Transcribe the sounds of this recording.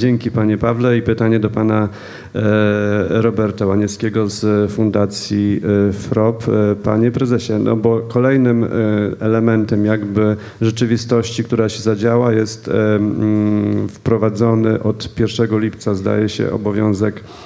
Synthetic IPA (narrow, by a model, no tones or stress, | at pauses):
d͡ʑɛŋkʲipaɲɛpavlɛipɘt̪aɲɛd̪ɔpana | ɾɔbɛɾt̪awaɲɛskʲeɡɔzfund̪at̪sʲjifɾɔppːa̰ɲɛpɾɛzɛɕɛnʔɔ̰bɔkɔlɛjnɘmɛlɛmɛnt̪ɛmjaɡbɘ | ʐɛt͡ʂɘvʲist̪ɔɕt͡ɕikt̪uɾaɕɛzad͡ʑawajɛst̪ | fpɾɔvad̪zɔnɘʔɔt̪pʲjɛɾfʂɛɡɔlʲipt̪sazd̪a̰jɛɕɛ̰ʔɔ̰bɔvʲjɔ̃w̃zɛk